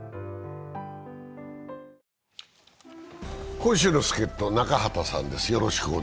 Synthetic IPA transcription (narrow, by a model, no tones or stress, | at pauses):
kõ̞ɰ̃ɕ̬ɨːno̞sɨ̥ke̞t̪ːo̞nakahat̪asã̰nd̪e̞sɨjo̞ɾo̞ɕi̥kɯo